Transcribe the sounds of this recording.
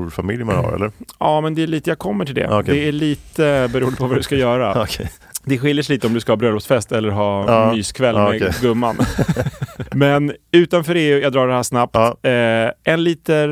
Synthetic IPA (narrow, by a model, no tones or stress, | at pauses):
famɪljma̰nha̰ɾɛ̰lːəɑːmɛnd̪ɛæɭiːt̪əjakʰɔmːəʈʰɪld̪ɛ̰kdd̪ɛæɭiːt̪əbɛɾuːənd̪əpʰɔvad̪ɵskajœːɾakʰ | d̪ɛɧɪljəʂ̬liːt̪əɔmd̪ɵskahɑːbɾœlɔsfɛst̪ɛlːəɾɦɑːyːskʰvɛlmɛɡɵmːan | mɛnʉ̟ːt̪anfœːɾeːʉ̟ːjad̪ɾɑːɖɛhæːʂnap̚t̪ː | ɛnliːt̪ə